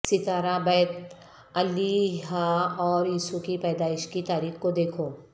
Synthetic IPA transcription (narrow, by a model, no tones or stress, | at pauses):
sɪt̪aːɾabɛːt̪ | ɐlːiɦaɔːɾiːsukipɛːd̪aːɪʃkit̪aːɾiːxkod̪eːkʰoː